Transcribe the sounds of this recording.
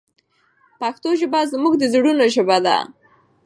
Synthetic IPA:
paxt̪oʒɪbɑzmuɡd̪əzɽunoʒɪbad̪a̰

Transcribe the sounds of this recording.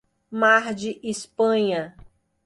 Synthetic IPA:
maɾd͡ʒɪʔispɐ̃ɲɐ

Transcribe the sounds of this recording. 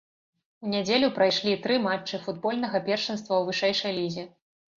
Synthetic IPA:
unʲad͡zʲelʲupɾajʂlʲit̪ɾɨmat͡ʂːɨfud̪̚bɔlʲnɐɣɐpʲɛrʂɨnst̪vɐwvɨʂɛjʂɐjlʲizʲi

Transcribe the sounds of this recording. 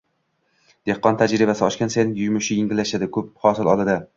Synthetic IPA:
d̪̥ehqːɒnt̪ʰad͡ʒɾɪbasɪɒʃkʲansenɪjʊjmʊʃɪjɪŋɡʲɪlːaʃad̪ɪkʰɵp̚hɒsɪlɒlˠad̪ɪ

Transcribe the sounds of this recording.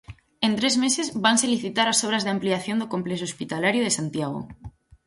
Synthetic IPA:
e̞nt̪ɾezmese̞zβanseliθit̪aɾasoβ̞ɾazðeampliaθjo̞nd̪oko̞mples̬oospit̪alaɾjoðesant̪jaɣ̞o̰

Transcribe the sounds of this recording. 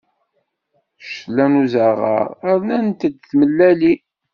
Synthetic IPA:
ʃlːænuzəʁə̰ɾæɾnænt̪əd̪θməlːæli

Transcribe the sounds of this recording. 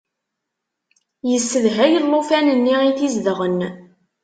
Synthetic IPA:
jəsːəðɦæjəlːofænənːiiθizd̪əʁən

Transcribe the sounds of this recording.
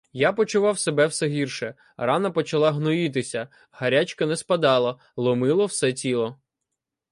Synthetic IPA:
japɔt͡ʃʊʋɑwsebɛwsɛɦʲirʃɛ | rɑnɐpɔt͡ʃɐlˠɑɦnɔjit̪̬ɪsʲɐ | hɐɾʲat͡ʃkɐnɛspɐd̪ɑlˠɐ | lˠɔmɪlˠɔwsɛtʲilˠɔ

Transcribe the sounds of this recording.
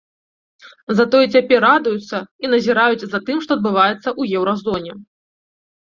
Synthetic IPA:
zɐt̪ɔjɛt͡sʲapʲɛrːad̪ujut̪sːɐinɐzʲiɾajud͡zʲzɐt̪ɨmʂt̪ɔɐd̪̚bɨvajɛt̪sːɐʔujɛwɾazɔnʲɛ

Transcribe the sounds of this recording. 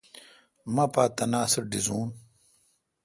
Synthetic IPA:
mɐpaːt̪ɐnaːsɐɾɖizuːn

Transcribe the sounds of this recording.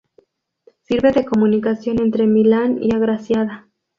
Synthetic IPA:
siɾβe̞ðe̞ko̞mũnikasjo̞ne̞nt̪ɾe̞milanḭaɣɾasjaða

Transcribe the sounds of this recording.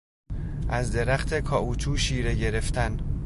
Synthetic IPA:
ʔæzd̪e̞ɾæxt̪ʰe̞kʰɒːʔuːt͡ʃʰuːʃiːɾe̞ɟe̞ɾe̞ft̪ʰæn

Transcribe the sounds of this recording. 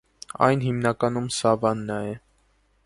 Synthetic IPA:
ɑ̰jnhimnɑkɑnumsɑvɑnːɑjɛ

